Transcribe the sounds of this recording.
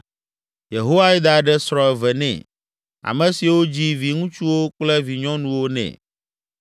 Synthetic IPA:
je˨ɦo˦wa˦i˦d̪a˨ɖɛ˦sɾɔ̃˨ɛ˨vɛ˨nɛ̰̃˨ | a̰˨mɛ̃˨si˨wo˦d͡ʑi˦vi˨ŋũ˦t͡ʃu˦wo˦k͡plɛ˦vi˨ɲɔ̃˦nũ˨wo˦nɛ̰̃˨

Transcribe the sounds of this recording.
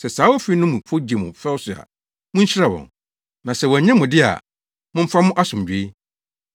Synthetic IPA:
sɛ˨saː˨˦wo˦fi˦nʊ̃˦mũ˨pʰo˦d͡ʑe˨mʊ̰̃˨fɛ˦wsʊ˨a̰˨ | mʊ̃˦ɲ̩˦ɕɪ˦ɾa˨wɔ̰̃˨n | nã˨sɛ˨wɔ˨ɲɛ̃˦mʊ̃˨dɪ˦a̰˨ | mʊ̃˦m̩˦fa˦mʊ̃˦ʔa˦sʊ̃˨mᶣ˨˦e˦

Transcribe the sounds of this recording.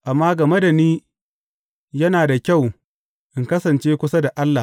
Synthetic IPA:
ʔa˨mːaː˦ɡɐ˨me˦da˨niː˦ | jɐ˦naː˨da˨kʲa˦˨w | ʔɪ˨ŋkɐ˦sɐ˨nt͡ʃeː˦kʷʊ˦sa˦da˨ʔa˦lːa˨

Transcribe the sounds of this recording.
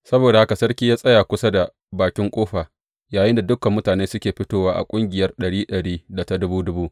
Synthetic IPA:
sɐ˦boː˨da˨ha˦ka˨sɐ˦rkʲiː˦jaː˦sʼɐ˦jaː˨kʷʊ˦sa˦da˨ | baː˨kʲɪ˦ŋkʷʼoː˦ɸaː˨ | jaː˨jɪ˦nda˨dʊ˦kɐ˨mːʊ˦taː˨neː˦sʊ˦kʲeː˨ɸɪ˦toː˦waː˦ʔa̰˨kʷʼʊ˦ŋɡʲɪ˨jɐ˦rɗɐ˨ɽiː˦ɗɐ˨ɽiː˦da˨ta˦dʊ˦buː˦dʊ˦buː˦

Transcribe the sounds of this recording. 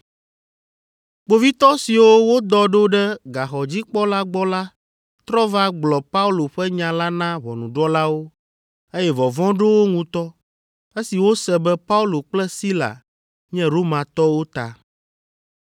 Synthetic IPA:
k͡po˨vi˦t̪ɔ˦si˨wo˦wo˦d̪ɔ˨ɖo˦ɖɛ˦ɡa˨xɔ˨d͡ʑi˦k͡pɔ˦la˦ɡ͡bɔ˦la˦ | t̪ɾɔ˦va˦ɡ͡blɔ˨pa˦u˦lo˨ɸɛ˦ɲã˨la˦nã˦βɔ˨nũ˨ɖɔ˦la˦wo˦ | e˦jɛ˦vɔ˨vɔ̃˦ɖo˦wo˦ŋũ˦t̪ɔ˦ | e˦si˨wo˦sɛ˦bɛ˦pa˦u˦lo˨k͡plɛ˦si˦la̰˨ | ɲɛ̃˦ɾo˦mã˨t̪ɔ˦wo˦t̪a̰˨

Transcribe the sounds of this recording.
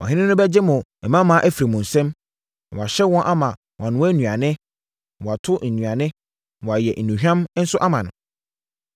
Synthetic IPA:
wɔ̰̃˨ɦɪ̃˦nɪ̃˦nʊ̃˦bɛ˦d͡ʑɪ˦mʊ̃˨ɛ˨mã˦mã˨˦ʔæ˦fi˨ɾi˨mʊ̃˨n̩˨sɛ̃˦m˨ | wa˨ɕɛ˦wɔ̃˦nʔa˦mã˨ | wʔã˨nʊ̃˨wæ˦nũ˨a˨nɪ̃˦˨ | wa˨tʰʊ˦n̩˨nũ˨a˨nɪ̃˦˨ | wɔ˨a˨jɛ˨ʔn̩˨nũ˨ɦᶣã˦m˦n̩˦sʊ˦ʔa˦mã˨nʊ̰̃˨

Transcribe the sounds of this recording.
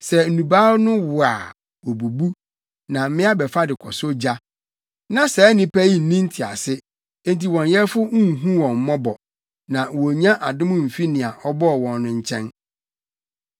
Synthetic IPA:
sɛ˨n̩˨nũ˨baː˦ɾnʊ̃˦wʊ˨a̰˨ | wɔ˨bu˨bu˦ | nã˨˦mɪ̃˦a˦bɛ˨fa˦dɪ˨kʰɔ˨so˦d͡ʑa˦ | nã˨sɛ˨˦nɪ̃˦pʰæ˦ji˦n̩˨nĩ˦n̩˦tʰɪ˨a̰˨sɪ˦ | ẽ˦nti˨wɔ̃˨njɛ˦fʊ˦ũ˦˨ɦũ˦wɔ̃˨m̩˨mɔ̃˦bɔ˨ | nã˨wɔ˨ɲã˦ʔa˨dɪ̃˦mʊ̃˦m̩˨fi˦nɪ̃˨a˨ʔɔ˦bɔ˦˨wɔ̃˨nːʊ̃˨ɲ̩˨t͡ɕʰɛ̃˦n

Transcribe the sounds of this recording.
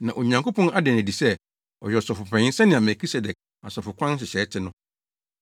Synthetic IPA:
nã˨ʔo˨ɲã˨ŋko˦pʰɔ̃˦na˦dɛ˨æ˨di˨sɛ˦ | ɔ̰˨jɛ˨ɔ˨sɔ˨fʊ˨pʰɛ̃˨ɪ̃˦sɛ˦nɪ̃˨a˨mɛ˨kʰi˦sɛ˨dɛ˨k̚ | a˨sɔ˨fʊ˨kʷʰã˦n˦ɕ̬ɪ˨ɕɛ˨˦tʰɪ˦nʊ̃˦

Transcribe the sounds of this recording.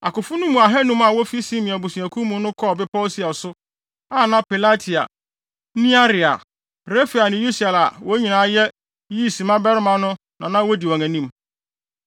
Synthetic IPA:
a˨kʊ˨fʊ˦nʊ̃˦mũ˨a˨ɦɛ˦nũ˦ma˨wɔ˦fi˦sĩ˦mĩ˨a˨bu˨sũ˨æ˨kʰũ˦mũ˦nʊ̃˦kʰɔ˦˨bɪ˦pʰɔ˦si˦a˨sʊ˦ | a˦˨nã˦pi˨la˦tʰi˨a̰˨ | nĩ˦a˦ɾɪ˨a̰˨ | ɾe˦fi˨a˨nɪ̃˨ju˦si˨ɛ˨la˨wɔ˦ɲĩ˨nãː˨˦jɛ˦ | ji˦˨si˨mã˦bɛ˦ɾmã˨nʊ̃˦ | nã˨nã˦wo˦di˨wɔ̃˨ŋæ̃˨nĩ˦m

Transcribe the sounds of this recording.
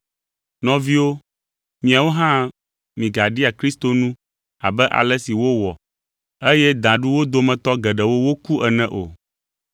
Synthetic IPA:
nɔ̃˦vi˦wo˦ | mĩ˨a˨wo˦ɦã˦ | mĩ˨ɡa˨ɖi˦a˨kɾi˦st̪o˨nũ˦ | a̰˨bɛ˦ʔa̰˨lɛ˦si˨wo˦wɔ˨ | e˦jɛ˦d̪ã˨ɖu˦wo˦d̪o˦mɛ̃˨t̪ɔ˦ɡɛ˨ɖɛ˨wo˦wo˦ku˦ʔɛ˨nɛ̃˦ʔo̰˨

